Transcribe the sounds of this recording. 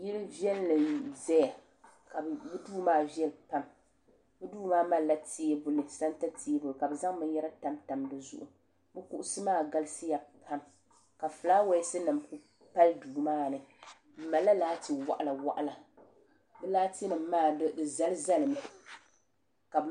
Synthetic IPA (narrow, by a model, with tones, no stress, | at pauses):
ji˦ɾɨ˦vi˦ɛ˦llɨ˨zɛ˦ja˨ | ka˨bɨ˦duː˦maː˦vɛ˦lpa˦m | bɨ˦duː˦maː˦ma˦la˦ti˦e˦bʊ˦lɨ˨sa˦n˦ta˦ti˨˦e˦bʊ˨lɨ˨ka˨bɛ˨za˦ŋmɨ˦jɛ˦ɾa˦ta˨˦mta˨mdɨ˦zʊ̰˦ʔʊ˨ | bɨ˦kʊ˦ʔʊ˦sɨ˦maː˦˨ɡa˦lɨ˦sɨ˦ja˨pʰa˦m | ka˨fɨ˨laː˦wa˨˦sɨ˦nɨ˨mku˦ | pa˦lduː˨maː˦nɨ˨ | m̩˨ma˨lːa˦laː˦ti˨wa̰˨ʔla˨wa̰˨ʔa˨la˨ | bɛ˦laː˦ti˦nɨ˨m˦maː˦˨ddɨ˨za˦lɨ˦za˦lɨ˨mɨ˨ | ka˨˦